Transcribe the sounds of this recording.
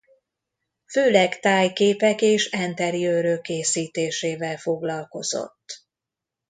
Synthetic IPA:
føːlɛkt̪aːjkeːpɛkeːʃɛnt̪ɛrijøːɾøkːeːsiːt̪eːʃeːvɛlfo̞ɡlɒlko̞zo̞̰t̪ː

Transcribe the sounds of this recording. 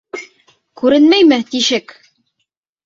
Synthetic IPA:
kʉɾɘnmæjmɘt̪iʃɘk

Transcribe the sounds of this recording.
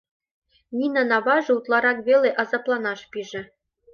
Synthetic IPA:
nʲinɑnɑβɑʒɤ̆ut̪lˠɑɾɑkβʲelʲeʔɑzɑplˠɑnɑʃpʲiʒɘ̆

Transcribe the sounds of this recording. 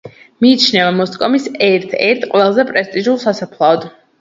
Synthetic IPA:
miːt͡ʃʰnɛvamɔskʼɔmisɛɾt̪ʰɛɾt̪ʰqʼwɛlˠzɛpʼɾɛst̪ʼiʒulˠsasapʰlˠaɔd̪̥

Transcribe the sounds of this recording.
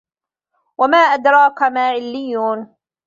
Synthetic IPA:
wamaːʔad̪ɾˤɑːkamaːʕɪlːɪjːuːn

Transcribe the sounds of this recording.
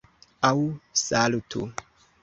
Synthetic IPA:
awsalutʰṵ

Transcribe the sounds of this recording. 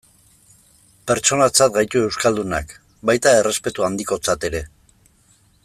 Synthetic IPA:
pe̞ɾt͡ʃo̞nat͡sat̪ɡajt̪ue̞wskald̪una̰k | bajt̪ae̞re̞spe̞t̪uand̪iko̞t͡sat̪e̞ɾe̞

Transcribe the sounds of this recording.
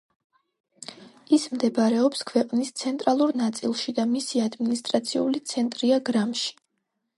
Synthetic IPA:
ismd̪ɛbaɾɛɔpskʰwɛqʼnist̪sʰɛnt̪ʼɾalˠuɾnat̪sʼḭlˠʃid̪amisiad̪minist̪ʼɾat̪sʰiulit̪sʰɛnt̪ʼɾiaɡɾamʃi̥

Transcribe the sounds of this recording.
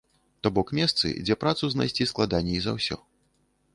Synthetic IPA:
t̪ɔbɔkmʲɛst̪sɨ̰d͡zʲɛpɾat̪suzna̰jsʲt͡sʲisklˠad̪anʲːɛizawsʲɔ̰

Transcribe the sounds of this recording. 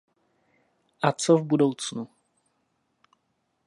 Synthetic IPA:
ʔat͡sovbudo̞wt͡snu

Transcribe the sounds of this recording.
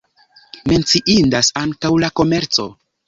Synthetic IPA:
me̞nt͡siʔindasaŋkawlako̞me̞ɾt͡so̞̰

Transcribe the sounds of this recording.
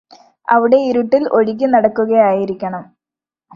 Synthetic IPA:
ɐ̰ʋiɽe̞iɾuʈːilo̞ɻik̬ʲːɨnɐɽɐkːuɣɐjaːjiɾikʲːɐɳɐm

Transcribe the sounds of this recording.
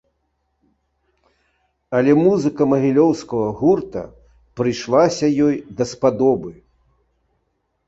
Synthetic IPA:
ɐlʲɛmuzɨkɐmɐɣʲilʲɔwskɐɣɐɣurt̪ɐ̰ | pɾɨjʂlˠasʲɐjɔjd̪ɐspad̪ɔbɨ

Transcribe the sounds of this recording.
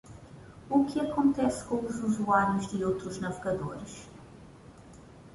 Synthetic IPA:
ukɪɐkõnt̪ɛskõw̃uzuzuaɾjuʒd̪ɪowt̪ɾuʒnɐveɡɐd̪oɾɨʃ

